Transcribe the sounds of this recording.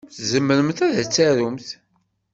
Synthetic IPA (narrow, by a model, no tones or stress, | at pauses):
θzəmːəɾəmθæðæt͡sːæɾʊmθ